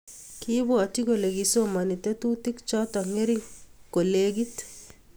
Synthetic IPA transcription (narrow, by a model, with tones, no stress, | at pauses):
kibo˦a˨ti˦ko˨le˨ɡi˨so˦ma˨ni˨t̪ɛ˦t̪u˦ti˦kt͡ʃɔ˦t̪aŋe˦ɾiko˨leɡit̪